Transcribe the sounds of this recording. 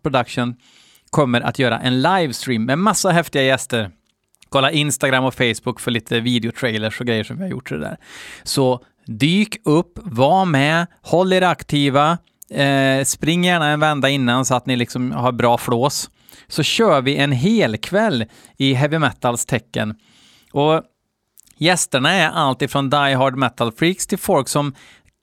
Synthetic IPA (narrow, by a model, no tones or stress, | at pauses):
pʰɾʊd̪akʂən | kʰɔmːəɾʔa̰t̪jœːɾa̰ʔɛnlajvst̪ɾiːmːɛmasːaɦɛft̪ɪɡajɛst̪əɾ | kʰɔlːaɾɪnst̪aɡɾamːɔfɛɪsbʊkːfœɭiːt̪ʰəviːd̪ɪʊt̪ʰɾɛɪləʂɔɡɾɛjːəʂɔmvɪhaɾjʊ̰ʈːdɛ̰d̪æ̰ːɾsɔ | d̪yːkɵpːvamɛ | hɔlːeːɾakt̪ʰiːva | spɾɪŋːjæːɳaɛnvɛnd̪aɪnːansɔat̪nɪlɪksɔmhaɾbɾɑːfloːs | sɔɕøːɾvɪʔɛnɦeːlkʰvɛlː | ɪɦɛvɪmɛt̪ːalst̪ʰɛkːə̰n | ɔ | jɛst̪əɳaɛɾʔalt̪ɪfɾɔnd̪ajɦɔɖmɛt̪ːalfɾiːkst̪ʰɪlfɔlksɔm